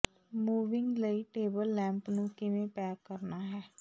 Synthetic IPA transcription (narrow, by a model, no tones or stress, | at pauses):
muːʋɪŋɡləiːʈeːbəlːɛ̃ːmpnũːkɪʋẽːpɛːkəɾnaːɦɛː